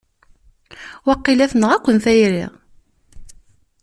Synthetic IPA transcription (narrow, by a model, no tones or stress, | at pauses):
wɑqːilæθnəʁækʷːənθæjɾɪ̰ʁ